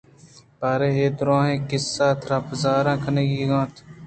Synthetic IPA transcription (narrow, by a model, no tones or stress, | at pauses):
paːɾeːɦeːd̪ɾõːɦẽːkɪsːaːt̪ʰɾapzaːɾãːkʰəneːɡiːɡãːt̪ʰ